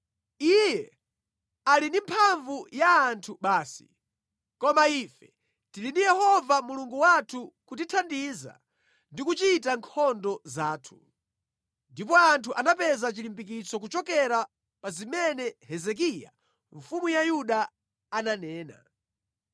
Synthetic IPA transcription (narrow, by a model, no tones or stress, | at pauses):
ijɛ | alindimpʰaɱvujaːntʰuɓaːsi̥ | kɔmaifɛ | tilindijɛhɔvamuluŋɡuwatʰukut̬itʰandiza̰ | ndikut͡ʃitaŋkʰɔndɔzaːtʰu̥ | ndip̬ɔantʰuʔanapɛzat͡ʃilimbik̬it͡sɔk̬ut͡ʃɔkɛɾa | pazimɛnɛhɛzɛk̬ija̰ | ɱfumujajuɗaː | nanɛːna̰